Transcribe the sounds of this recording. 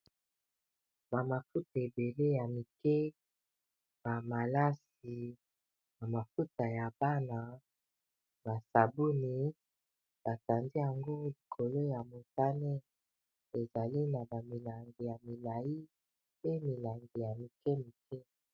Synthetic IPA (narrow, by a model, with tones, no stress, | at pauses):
ba˨ma˨fu˦ta˨e˨be˨le˦ja˨mi˨kɛ˦ | b̥a˨ma˨la˦s | i˨ | na˨ma˨fu˦ta˨ja˨ba˦na˨ | ba˨sa˨bu˦ni˨ | b̥a˨ta˨ndi˦ja˨ŋɡo˦li˨kʰo˨lo˦ja˨mo˨ta˦ne˦ | e˨za˨li˦na˨ba˨mi˨la˨ŋɡi˨ja˨mi˨la˨ji˦ | pe˦mi˨la˨ŋɡi˨ja˨mi˨kɛ˦mi˨kʰɛ˦